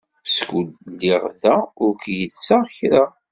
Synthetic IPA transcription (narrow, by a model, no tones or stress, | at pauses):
pskud̪liʁðæʊɾkjəðt͡sːaʁçɾa